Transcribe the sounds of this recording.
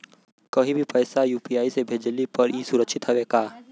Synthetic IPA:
kɐɦĩbʱipɐɪsajuːpiaːisebʱeːd͡ʒlipɐɾiːsʊɾəkʃɪt̪ɦɛʋekaː

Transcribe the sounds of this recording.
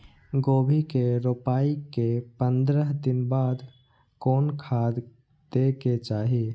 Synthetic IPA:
ɡobʱikeɾopaikepənd̪ɾəɦd̪inbad̪ | konkʰad̪ | d̪eket͡ʃaɦi

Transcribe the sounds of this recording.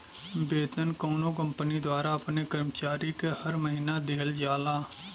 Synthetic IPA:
beːt̪ənkoːnõːkə̃mpnid̪waːɾaəpnekəɾmt͡ʃaːɾikehəɾməɦiːnad̪eːld͡ʒaːlaː

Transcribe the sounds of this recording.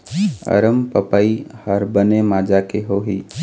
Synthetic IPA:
ə̰ɾəmpəpaihəɾbənemaːd͡ʒakeɦoɦi

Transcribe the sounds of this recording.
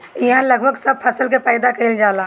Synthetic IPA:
iɦãləɡbʱəɡsəb̚pʰəsəlkepɛːd̪akəɾild͡ʒaːlaː

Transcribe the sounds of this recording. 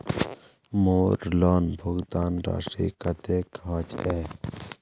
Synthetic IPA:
moːɾlaːnbʱʊɡd̪aːnɾa̰ːʂʈɾḭːkɐt̪eːkʰaːt͡ʃeː

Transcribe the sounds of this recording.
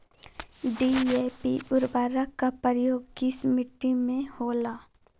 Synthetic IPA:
ɖieːpiʊɾbaːɾakapəɾəjoːɡkɪsmɪʈːimẽhoːlaː

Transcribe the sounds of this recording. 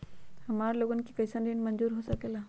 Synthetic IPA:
həmaɾloɡənkikəjsənɖinmənd͡zuːɾɦosəkela

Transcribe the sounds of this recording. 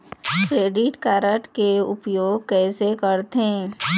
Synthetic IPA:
kɾeːɖɪʈkaːɾəʈkeʊpjoːɡ̚kɛːsekəɾt̪ẽ

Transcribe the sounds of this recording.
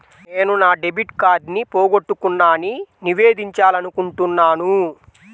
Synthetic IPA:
ne̞ːnunaːɖe̞bʱiʈkaːɖnipoːɡoʈːukunːaːniniʋeːd̪iɲt͡ʃaːlɐnukuɳʈunːaːnu

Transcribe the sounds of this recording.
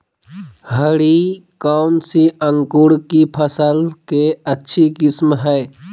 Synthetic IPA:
həɽikaʊnsiəŋkuɽkipʰəsəlkeətːʃʰikɪsmɦəj

